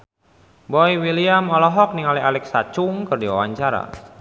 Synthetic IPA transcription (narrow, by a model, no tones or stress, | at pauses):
bɔiwiliamɔlɔɦɔk̚niŋalialɛksat͡ʃuŋkɨrdiwa̰waɲt͡ʃaɾa̰